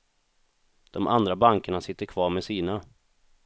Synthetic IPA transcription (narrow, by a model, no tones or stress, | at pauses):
d̪̥ɔmʔa̰nd̪ɾabaŋkəɳasɪt̪ːəɾkʰvɑːɾmɛsiːna